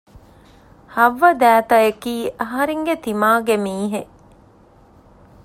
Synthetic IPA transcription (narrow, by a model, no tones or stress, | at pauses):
hɐʋːɐd̪æːt̪ɐekiːʔɐɦɐɾeŋɡet̪imaːɡemiːɦe